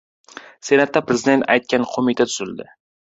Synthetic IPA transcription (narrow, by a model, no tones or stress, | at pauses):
se̞nat̪ːapɾezɪd̪e̞nt̪a̰jt̪̚kʲanqʰomɪt̪ʰat̪ʰʊzɪld̪ɪ